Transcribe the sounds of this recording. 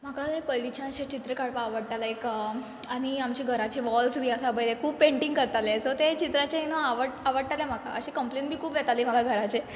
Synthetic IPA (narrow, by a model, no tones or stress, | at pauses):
m̤akalajpəjlit͡ɕʰãnəɕat͡ɕit̪ɾəkaɽpaaʋəɽt̪alaek | aɽ̃iamt͡ɕiɡʱəɾat͡ɕiʋɔlsbʱiːəsabəjlekʰuːbpːẽɳʈiŋkəɾt̪alesot̪et͡ɕit̪ɾat͡ɕeɦinoaʋəɽaʋəɽʈ̪alem̤akʰa̰əɕikəmplenbʱiːkʰuːbʋjɛt̪aliːm̤akaɡʱəɾat͡ɕe